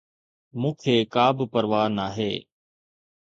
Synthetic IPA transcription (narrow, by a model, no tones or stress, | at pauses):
mũːkʰeːkaːbpəɾʋaːnaːɦḛː